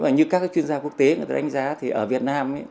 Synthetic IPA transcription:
maː˨˩ɲɨ˧kaː˦˥k̚aː˨˦˥t͡ɕwi˧ənzaː˧ku˦˥ək̚t̪ḛ˨˦˨t̪aː˧˩ɗa˨˦ŋ̟zaː˨˦t̪ʰi˨˩ʔəː˧˩vi˨˩ət̚naː˧mə˧˦

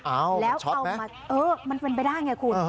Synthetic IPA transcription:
ʔaː˨˧˩wlɛː˦˥wt͡ɕʰɔ˦a˧wm˦maː˧ | ʔɤː˧ma˧npe˧np̬jdaː˥˩jŋaː˧˩kʰu˧˩n

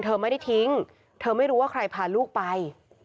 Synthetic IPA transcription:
nt̪ʰɤː˧ma˥˩jda˥˩jt̪ʰi˦˥ŋ | t̪ʰɤː˧ma˥˩jɾuː˦˥waː˥˩ɾa˧jpʰaː˨˩nluː˥˩k̚pa˧j

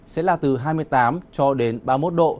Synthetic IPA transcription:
sɛ̰˧˥laː˨˩t̪ɨ˨˩ɦaː˧jmɨ˧əjt̪aː˨˦mt͡ɕɔ˧ɗe˨˦nɓaː˧mo˦˥t̚ɗo̰˧˨

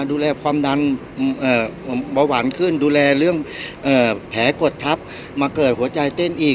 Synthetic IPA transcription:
duː˧lɛː˧kʰwaː˧mda˧n | ʔɤː˨˩bɔː˧waː˨˩nkʰɯ˧˥˩nduː˧lɛː˧lɯ˥˩əŋʔɤː˧˩pʰɛː˩˦ko˨˩t̪ʰːa˦˥p̚ | maː˧kɤː˨˩t̪̚hu˨˩˦ɐt͡ɕa˧jt̪e˧˥˨nʔiː˨˩

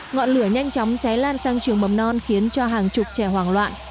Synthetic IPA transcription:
ŋɔ̰˧˨nlɨ˧˩əɲa˧jŋ̟t͡ɕɔ˨˦wŋ͡mt͡ɕa˨˦jlaː˧nsaː˧ŋt͡ɕɨ˨˩əŋmə˨˩mnɔ˧nxi˨˦ənt͡ɕɔ˧ɦaː˨˩ŋt͡ɕʊ˨˩k͡p̚t͡ɕɛ˧˩ɦwaː˨˩ŋlwa̰ː˧˨n

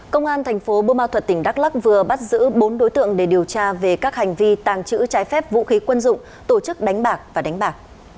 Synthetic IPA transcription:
kə˧wŋ͡mʔaː˧nt̪ʰa˨˩jŋ̟fo˨˦ɓo˧maː˧wt̪ʰwə˨˩t̚t̪ï˧˩ŋ̟ɗaː˦˥k̚la˦˥k̚vɨ˨˩əɓa˦˥t̚zɨ̰˧˥ɓo˨˦nɗo˨˦jt̪ɨ̰˧˨əŋɗe˧˩ɗi˨˩əwt͡ɕaː˧ve˨˩kaː˦˥k̚ha˨˩jŋ̟vi˧t̪aː˨˩ŋt͡ɕɨ̰˧˥t͡ɕaː˨˦jfɛ˦˥p̚vṵ˧˥xi˨˦kwə˧nzʊ̰˧˨ŋ͡m | t̪o˧˩t͡ɕɨ˦˥k̚ɗa˨˦ŋ̟ɓaː˨˩k̚vaː˨˩ɗa˨˦jŋ̟ɓaː˨˩k̚

